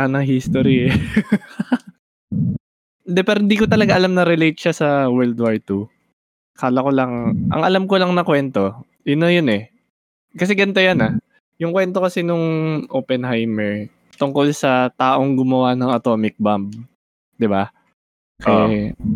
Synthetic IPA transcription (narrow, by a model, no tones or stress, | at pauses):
ɐnɐŋɦist̪oɾi | nd̪ɛpɛɾhɪnd̪iːkot̪ɐlɐɡaʔɐlamnɐɾɪlejt̪̚ʃasɐwɛɹld̪wajt̪u | kaːlɐko̞lɐŋʔɐ̰ŋʔɐlamkolɐŋnɐkwɛnt̪o̞ | jɪnɐjonɛ | kɐsɛɡɐnt̪ojɐnɐ | jʊŋkwɛnt̪o̞kɐsɛnoŋʔoːpɛnhajmɛɹ | t̪ʊŋko̞lsɐt̪aːʔo̞ŋɡʊmɐwanɐŋɐt̪o̞ːmɪk̚bamb̚ | d̪ɪba | kɐja